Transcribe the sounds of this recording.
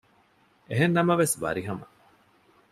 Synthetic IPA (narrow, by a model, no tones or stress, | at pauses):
eɦenːɐmɐʋesʋɐ̰ɾiɦɐmɐ